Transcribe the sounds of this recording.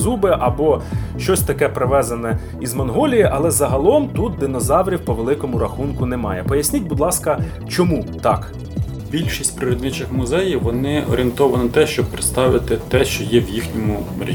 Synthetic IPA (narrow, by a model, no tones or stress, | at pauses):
zubɪʔɐbɔʃt͡ʃɔsʲt̪ɐkɛpɾɪʋɛzɐnɛ | izmɔnɦɔlʲijiʔɐlˠɛzɐɦɐlˠɔmt̪ut̪̚d̪ɪnɔzɑwɾʲiwpɔʋelˠɪkɔmʊɾɐxunkʊnɛmɑjɛpɔjɐsʲnʲitʲbʊd̪lˠɑskɐ | t͡ʃɔmut̪ɑk | bʲilʲʃisʲtʲpɾɪɾɔd̪nɪt͡ʃɪxmʊzɛjiʋɔnɪʔɔ̰ɾʲent̪ɔʋɐnɔt̪ɛʃt͡ʃɔb̚pɾɪt̪st̪ɑʋɪt̪ɪt̪ɛʃt͡ʃɔjɛwjixnʲɔmʊɾʲḭ